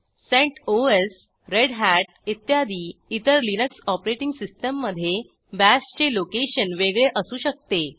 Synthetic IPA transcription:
sẽɳʈoes | ɾeɽɦæʈ̚it̪jad̪iːit̪əɾlinəksɔpɾeʈiŋɡsisʈəmːəd̪ʱːje | bæst͡ɕelokeɕənʋeɡɭeʔəsuːɕək̚t̪e

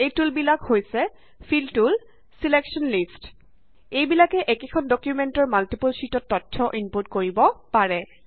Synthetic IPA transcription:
ejtulbilakhojsɛ | fʰiltul | sileksɔnlist | ejbilakɛʔɛkekʰɔndɔkjumɛntɔɹmaltipulsitɔtːɔtʰːɔʔimpoɹtkoɹibɔpaɹɛ

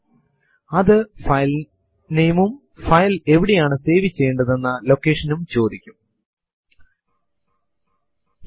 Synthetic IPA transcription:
ɐðɨfɐjl | nejmum | fɐjle̞ʋiɽijaːɳɨse̞ːʋit͡ɕːe̞ːɳɖɐðe̞nːɐlo̞kːe̞ːʂɐnumt͡ɕo̞ːd̪ikʲːum

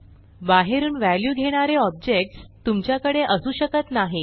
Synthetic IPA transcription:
baɦeɾuːnʋæljuːɡʱeɽ̃aɾeɔb̚d͡ʑek̚ʈst̪umt͡ɕjakəɽeʔəsuːɕəkət̪naɦe

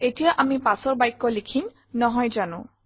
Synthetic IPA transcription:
etijaʔamipasɔɹbajkːɔlikʰim | nɔɦɔjzanʊ̰̃

